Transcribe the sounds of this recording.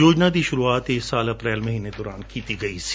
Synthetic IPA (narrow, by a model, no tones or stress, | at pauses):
joːd͡ʒnad̪iʃʊɾuaːt̪eːksaːlɐpɾɛːlmɐɦiːned̪ɔːɾaːnkiːt̪iɡɐis